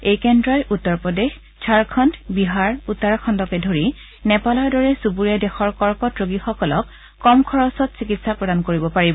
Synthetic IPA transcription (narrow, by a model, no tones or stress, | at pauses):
ejkɛndɹɔjʔutːɔɹpɔdex | t͡ʃʰaɹkʰɔntbiɦaɹutːaɹkʰɔntɔkɛdʱoɹi | nɛpalɔɹdɔɹɛsubuɹiadɛxɔɹkɔɹkɔtɹoɡixɔkɔlɔkː | ɔmkʰɔɹɔsɔtsikitsapɹɔdankoɹibɔpaɹibɔ